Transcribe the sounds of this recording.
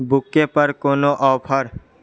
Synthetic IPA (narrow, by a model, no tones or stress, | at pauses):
bʊkːepəɾkoːnoʔɔːpʰəɾ